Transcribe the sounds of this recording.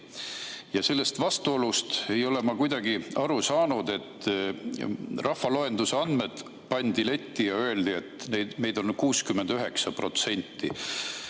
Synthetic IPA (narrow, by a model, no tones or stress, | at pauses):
jɑse̞lːe̞st̪vɑst̪uo̞lust̪e̞jo̞le̞mɑkujd̪̥ɑɡiɑɾusɑːnud̪e̞t̪ː | rɑhfɑloe̞nd̪use̞ɑnd̪̥me̞d̪̥ | pɑnʲd̪ile̞t̪ʲːijɑø̞e̞ld̪̥ie̞t̪ˑneme̞jd̪̥o̞nkuːskymːe̞nd̪̥yɦe̞ksɑpro̞t̪se̞nʲt̪ːi